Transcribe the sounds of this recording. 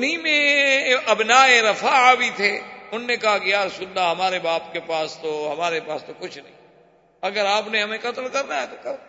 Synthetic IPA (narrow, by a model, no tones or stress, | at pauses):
nimẽɐbnaːeɾɐfabit̪ʰeʊnːekɐɦakijaːɾsʊnːaɦɐmaːɾebaːpkepaːst̪oɦɐmaːɾepaːst̪okʊt͡ʃʰnɐ̰ɦĩ | ɐɡəɾaːpnẽɦɐmẽkɐt̪lkɐɾnaɦɛt̪okɐ